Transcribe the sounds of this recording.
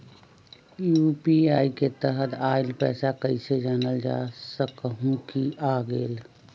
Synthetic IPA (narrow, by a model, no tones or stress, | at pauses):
jupiaːiket̪əɦət̪ʰaːɪlpɛːsakəɪsed͡ʒaːnəld͡ʒa̰ːsəkɦũkiʔaːɡeːl